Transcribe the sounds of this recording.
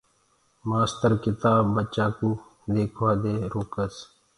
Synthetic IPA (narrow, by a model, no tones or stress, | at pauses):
maːst̪əɾkɪt̪aːbːət͡ʃaːkuː | d̪eːkʰʋaːd̪eːɾoːkəs